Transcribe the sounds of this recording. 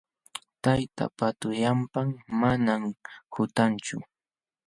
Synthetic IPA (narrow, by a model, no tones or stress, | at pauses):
t̪ajt̪a̰pat̪ʊjampaŋmanamhʊt̪ant͡ʃʊ̰